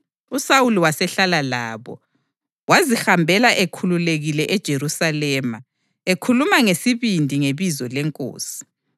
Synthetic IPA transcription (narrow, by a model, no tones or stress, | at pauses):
usawuliwasɛɬalala̰ːβɔ̰ | wazixambʱɛlaʔekʰululeɣilɛʔɛd̥ʒ̥ʱerusalɛːma | ekʰulumaŋesiβindʱiŋeβizɔlɛŋkʼo̰ːsi̥